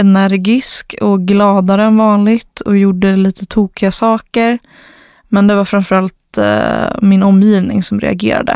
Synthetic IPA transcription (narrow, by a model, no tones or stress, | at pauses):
ɛnæɾɡɪskɔɡlɑːd̪aɾənvɑːnlɪɡt̪ʰɔjʊɖːəliːt̪ʰət̪ʰuːkɪasɑːkəɾ | mɛnd̪ɛvaɾfɾanfœɾalt̪ | mɪnɔmːjiːvnɪ̰ŋsɔmɾɛ̰a̰ɡḛːɾa̰d̪ə̰